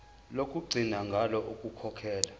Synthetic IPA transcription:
lokʼuɡ͡ǀʱinaŋɡʱalɔʔukʼukʰɔkʰɛːla

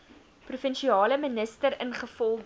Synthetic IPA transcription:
prufənʃiɑːləmənəstəɾənχəfɔlˠd

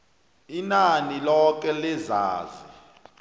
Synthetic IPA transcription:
inanilɔk̬ɛliza̰ːzi

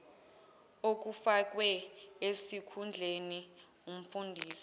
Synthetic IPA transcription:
ok̬ufak̬ʼwɛesikʰund͡ɮʱeni | um̩fundʱiːsi̥

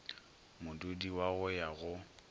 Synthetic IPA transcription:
mʊdudiwaɣʊjaɣʊ

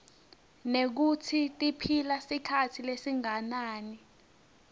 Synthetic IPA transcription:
nek̬utʰitʼipʰilasikʰatʰilesiŋanaːni

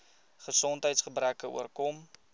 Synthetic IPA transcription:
χəsɔntɦəjtsχəbrækəṵərkɔm

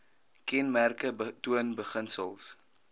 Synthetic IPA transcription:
kɛnmærkətuənbəχənsəlˠs

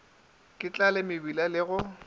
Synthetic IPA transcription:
kʼɪt͡ɬʼalɪmɪbilalɪɣʊ

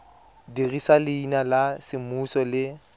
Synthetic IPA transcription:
dirisalɪinalasɪmusɔlɪ

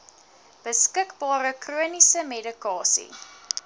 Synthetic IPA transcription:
b̥əskəkbɑːɾəkruənisəmedikɑːsḭ

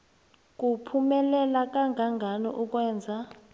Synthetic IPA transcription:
k̬ʼupʰumɛlɛlak̬ʼaŋɡʱaŋɡʱanɔ̰ʔuk̬ʼwɛːnd͡zʱa

